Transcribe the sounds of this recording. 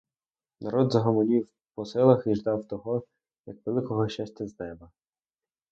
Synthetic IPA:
nʔɐɾɔd̪zɐɦɐmɔlʲiw | pɔsɪlˠɐxiʒd̪ɑwt̪ɔɦɔ | jɐkʋelˠɪkɔɦɔʃt͡ʃasʲtʲɐznɛbɐ

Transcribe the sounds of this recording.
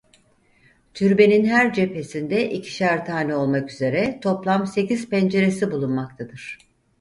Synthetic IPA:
t̪ʰyɾbe̞ninɦæɾd͡ʒe̞pe̞sind̪ɛʔicʰi̥ʃæɾt̪ʰaːnio̞lˠmakyze̞ɾɛt̪ʰo̞plˠamse̞ciz̥pɛnd͡ʒe̞ɾe̞sibulˠunmakt̪ʰad̪ɯɾ̥

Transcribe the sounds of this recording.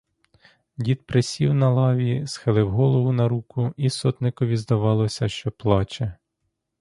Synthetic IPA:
dʲit̪pɾesʲiwnɐlˠɑʋʲisxɪlˠɪwɦɔlˠɔʋʊnɐɾukʊisɔt̪nɪkɔʋʲizd̪ɐʋɑlˠɔsʲɐʃt͡ʃɔplˠɑt͡ʃɛ

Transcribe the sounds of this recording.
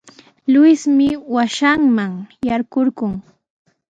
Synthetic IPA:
lʊsmɪwaʃaŋmaŋjaɾɢoɾɢʊŋ

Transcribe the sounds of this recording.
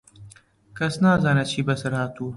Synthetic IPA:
kɐsnaːzanɐt͡ɕʰiːbɐsɐɾaːt̪ʰuː

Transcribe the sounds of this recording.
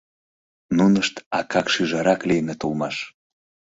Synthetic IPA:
nunəʃt̪ɑkɑkʃyʒɑɾɑklijnet̪olˠmɑʃ

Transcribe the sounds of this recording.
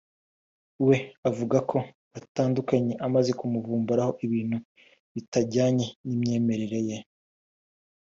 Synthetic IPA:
we̞avuɡakʰo̞ | ataːndukaɲe̞ʔamaze̞kumuvuːmbaɾaho̞ʔiβiːn̥hu | βitaɟaːɲe̞nimɲe̞ːme̞ɾeɾe̞je̞

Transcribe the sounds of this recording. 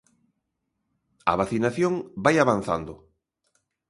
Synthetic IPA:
a̰β̞aθinaθjoŋbajaβanθa̰nd̪ʊ

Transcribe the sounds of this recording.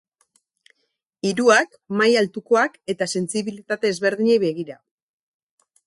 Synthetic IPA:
iɾuak | majalt̪uko̞ake̞t̪ase̞nt͡siβilit̪at̪e̞ːzβe̞ɾðiɲejβe̞ɣiɾa

